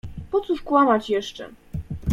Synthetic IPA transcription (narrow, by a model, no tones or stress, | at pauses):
pɔt̪suʂkwamat͡ɕjɛʂt͡ʂɛ̰